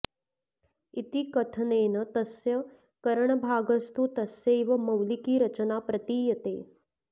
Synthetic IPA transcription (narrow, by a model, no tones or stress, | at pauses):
it̪ikɐt̪ʰɐneːnɐt̪ɐsjɐ | kɐɾəɳ̃əbʱaːɡɐst̪ut̪ɐsjeiʋɐmɐwlikiːɾɐt͡ʃənapɾɐt̪iːjɐt̪ḛː